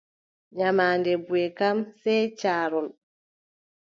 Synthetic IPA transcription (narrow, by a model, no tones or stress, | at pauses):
ɲamaːndɛbuɛkamsɛjt͡ʃaːɾɔl